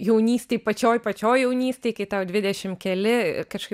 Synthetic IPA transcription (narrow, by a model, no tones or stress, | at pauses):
jɛʊnʲiːsʲt̪ʲeːjpɐt͡ʃʲoːjpɐt͡ʃʲoːjjɛʊnʲiːsʲt̪ʲeɪkɐɪt̪ɐdʲʋʲɪd̪ʲɛʃʲɪmkʲɛlʲɪkɐʃkɐɪ